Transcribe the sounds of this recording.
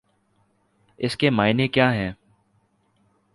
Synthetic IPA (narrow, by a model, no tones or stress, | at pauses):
ɪskemaːɪnekjaːɦɛː